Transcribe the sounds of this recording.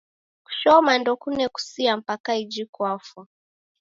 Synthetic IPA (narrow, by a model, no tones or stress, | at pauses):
ku̥ʃɔmandɔkunɛku̥siam̩pakaid͡ʒikwafwa